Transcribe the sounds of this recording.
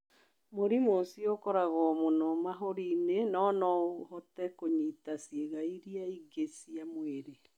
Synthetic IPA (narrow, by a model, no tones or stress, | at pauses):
moɾimosiokɔɾaɣɔmonɔmaɦoɾinenɔːnɔhɔtɛkoɲitasjeɣaiɾiaiɡesiamweɾe